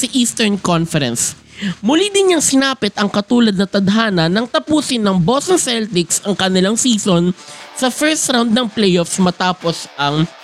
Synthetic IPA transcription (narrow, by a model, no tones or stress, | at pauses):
sɐʔiːst̪ɛɹnkonfɛɾɛ̰ns | mʊlid̪ɪnɐŋsɪnaːpɪt̪ɐŋkɐt̪uːlɐd̪̚nɐt̪ɐd̪ɐɦaːnɐnːɐŋt̪ɐpuːsɪnːɐŋbosonsɛlt̪ɪksɐŋkɐnɪlaŋsiːsonsɐfɛɹst̪ɾawnd̪̚nɐŋplɛjʔofsmɐt̪aːposʔɐŋ